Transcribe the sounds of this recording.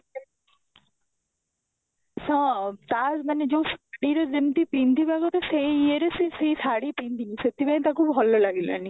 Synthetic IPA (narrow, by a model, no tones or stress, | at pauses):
sɔ̃t̪aːsmɐnːed͡ʒõsaɽiɾɔzemt̪ipint̪ibaɡot̪eseieɾesiseisaɽipĩnt̪iniset̪ʰibaĩt̪akʰubɦɔlːɔlaɡila̰ni